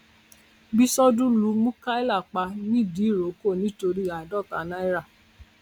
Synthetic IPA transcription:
bi˦sɔ˦dũ˦lu˧˦mũ˦ka˦i˦la˦˨k͡pa˧nĩ˦˨di˨˦˨ɾo˨˦ko˦˨nĩ˨˦to˧ɾi˦a˨dɔ˦˨ka˨nã˦i˦ɾa˦˨

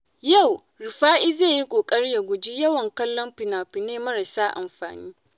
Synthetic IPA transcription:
ja˦˨w | ɾɪ˨ɸaː˦ʔiː˦zeː˦˨ji˦kʷʼoː˨kʼɐ˦ɽja˨ɡʷʊ˨d͡ʒi˦jɐ˦wɐ˨ŋkɐ˦lːɔ˦mɸɪ˨naː˨ɸɪ˨neː˦mɐ˦ɾɐ˨saː˦ʔa̰˨mɸa̰ː˨niː˦

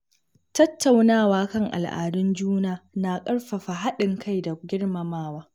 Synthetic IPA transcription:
tɐ˦tːa˨wnaː˦˨waː˦kɐ˦ŋʔa̰˨lʔa̰ː˨dʊ˦nd͡ʒuː˦naː˨naː˨kʼɐ˦ɽɸa˨ɸa˨ɦa˦ɗɪ˨ŋkʰa˦jda˨ɡʲɪ˦ɽmɐ˨maː˦waː˦

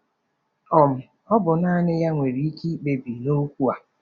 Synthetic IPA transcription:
ɔ˨m̩˨ | ɔ˦bʊ˨na˦nɪ˦ja˦ŋʷe˨ɾi˨˦i˦ki˦k͡pe˨bi˨no˦kʷu˦a˨

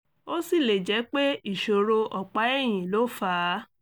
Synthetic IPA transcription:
o˦si˦˨le˨d͡ʒɛ˨˦k͡pe˦i˦˨ʃo˨ɾo˧ʔɔ˨k͡pa˨˦ɛ˦˨j̃ĩ˨lo˨˦fa˨˦

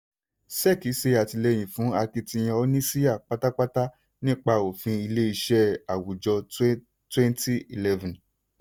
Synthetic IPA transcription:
sɛ˦˨ki˨˦se˧a˨ti˧lɛ˧j̃ĩ˨fũ˨˦a˧ki˧tĩ˧j̃ɛ̃˧ɔ˧˦nĩ˦si˦ja˦˨k͡pa˦ta˦k͡pa˦ta˦ | nĩ˦k͡pa˧o˨fĩ˧i˧le˦i˧ʃɛ˦a˨wu˨d͡ʒɔ˧˦ | twɛ̃˦nti˦i˨lɛ˦vũ˨

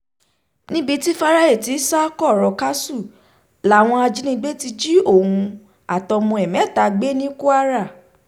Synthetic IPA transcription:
nĩ˦bi˧ti˦fa˦ɾa˧i˦˨ti˨˦sa˦kɔ˦˨ɾɔ˨ka˦su˦˨ | la˨˦˨w̃ɔ̃˧a˧d͡ʒi˦nĩ˧ɡ͡be˦ti˧d͡ʒi˦o˦˨hũ˧ | a˨tɔ˧mɔ̃˧ɛ˨mɛ̃˨˦˨ta˧ɡ͡be˦nĩ˦ku˦a˦ɾa˦˨

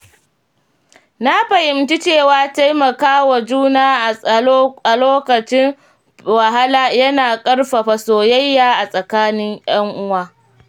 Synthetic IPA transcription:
na˦ɸɐ˨jɪ˨mti˦t͡ʃeː˦˨waː˦ta˦jmɐ˨kaː˦wa˨d͡ʒuː˦naː˦˨ | a˨loː˦kɐ˨t͡ʃɪ˦ŋ | wɐ˨ɦa˦laː˦jɐ˦naː˨kʼɐ˦ɽɸa˨ɸa˨soː˨jɐ˦jːaː˨ʔa˨sʼɐ˨kaː˦nɪ˦ŋj̰ɐ˦ŋʔʊ˦waː˦

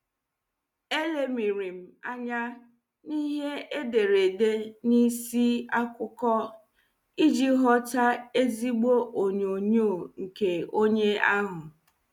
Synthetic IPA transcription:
e˦le˨mi˨ɾi˨m̩˨a˦ɲa˦ | ni˦ɦe˦e˦de˨ɾe˨de˦ni˦si˦a˦kʊ˦kɔ˦ | i˦d͡ʒi˦ɦɔ˦ta˦e˦zi˦ɡ͡bo˦ʔo˨ɲo˨ɲo˦o˨ŋ̩˨ke˨o˦ɲe˦a˦ɦʊ˨

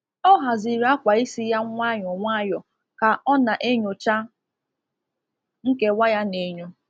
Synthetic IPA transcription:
ɔ˦ɦa˨zi˨ɾa˦kʷa˨i˦si˦ja˦ŋʷa˦ɲɔ˨ŋʷa˦jɔ˨ | ka˨ʔɔ˦na˨ʔe˦ɲo˨t͡ʃa˦ | ŋ̩˦ke˦wa˦ja˦ne˨ɲo˦

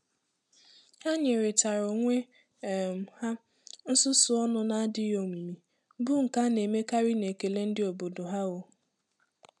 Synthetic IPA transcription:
ha˦ɲe˨ɾɪ˨ta˨ɾo˨ŋʷe˦˨ | ha˦ | n̩˦sʊ˦sʊ˦ɔ˦nʊ˦na˦a˦dɪ˦jo˨mi˨mi˨ | bʊ˦ŋ̩˨ka˦ne˨me˦ka˦ɾɪ˦ne˨ke˨le˦n̩˦dɪ˦o˨bo˨do˨ɦa˦ɣo˨

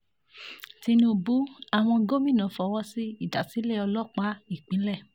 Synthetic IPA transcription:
ti˧nĩ˧˦o˧bu˨˦a˦˨w̃ɔ̃˧ɡo˦mĩ˦˨nã˨˦fɔ˧˨wɔ˧si˦i˦˨da˨si˨˦le˦˨ɔ˧lɔ˦˨k͡pa˨˦i˦˨k͡pĩ˨˦lɛ˦˨

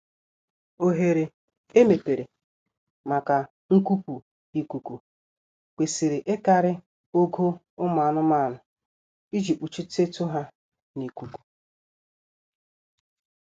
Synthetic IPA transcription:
o˨ɦe˨ɾe˨ | e˦me˨pe˨ɾe˨ | ma˨ka˨ | ŋ̩˦ku˦pu˨ | i˨ku˨ku˨ | kʷe˨si˨ɾe˨ʔe˦ka˨ɾɪ˦ | o˦ɡo˦ | ʊ˦m˨a˨nʊ˦ma˦˨nʊ˨ | i˦d͡ʒi˨k͡pu˨t͡ʃi˦te˦tʊ˦ɦa˦ | ni˨ku˨ku̥˨

